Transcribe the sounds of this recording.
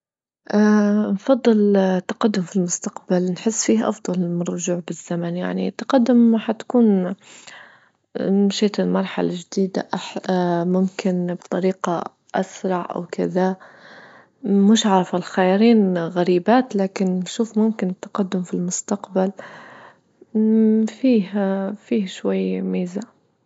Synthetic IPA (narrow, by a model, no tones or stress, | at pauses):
ʔaːnfɑd̪ˤːɨlt̪ːaqad̪ːʊmfilmʊst̪aqbalnħɪsːfiːhʔɑ̰fd̪ˤɑlmɑrˤːʊʒuːʕbɪz̥ːamanja̰ʕnit̪ːḁqad̪ːʊmħat̪ḁkuːn | ʃeːt̪ɪlmɑɾˤħa̰lad͡ʒd̪iːd̪a̰ʔaħmʊmkɪnbt̪ˤɑɾiːqɑ | ʔasɾˤɑʕʔa̰wkɪða | mɪʃʕɑɾˤɑfalxajaɾiːnɣaɾiːbaːt̪laːkɪnʃuːfmʊmkɪnɪt̪ːḁqad̪ːʊmfilmʊst̪aqbal | fiːhfiːhʃwajːmiːza